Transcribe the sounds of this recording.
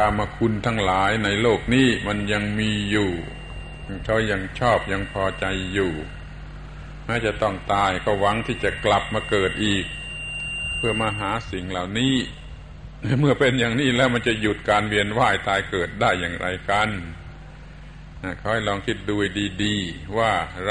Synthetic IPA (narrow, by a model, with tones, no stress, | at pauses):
kʰaː˧˩maː˧kʰu˧nt̪ʰa˦˧˥ŋlaː˨˦jna˧jloː˥˩k̚niː˦˥˩ma˧˥nja˧ŋmiː˧juː˨˩ | kʰa˧˥˩ja˧ŋt͡ɕʰɔː˥˩p̚ja˧ŋpʰɔː˧t͡ɕa˧jːuː˨˩ | mɛː˦˥˩t͡ɕa˨˩t̪ɔ˥˩ŋt̪aː˧jkʰa˧˩wwa˧˥ŋt̪ʰiː˥˩t͡ɕa˨˩kla˨˩p̚maː˧kɤː˨˩t̪̚ʔiː˨˩k̚ | pʰɯ˥˩ɐmaː˧ɦaː˩˦si˨˩ŋla˨˩wniː˦˥˩ | mɯ˥˩ɐpe˧njaː˨˩ŋniː˦˥˩lɛː˦˥wma˧nt͡ɕa˨˩ju˨˩t̪̚kaː˧nwi˧ənwaː˥˩jt̪ʰaː˧jkɤː˨˩t̪̚daː˥˩jːaː˨˩ŋɾʔa̰˧jka˧n | na˧˩kʰa˦˥wha˧˩jlɔː˧ŋkʰi˦˥˩t̪̚duː˧jdiː˧diː˧waː˥˩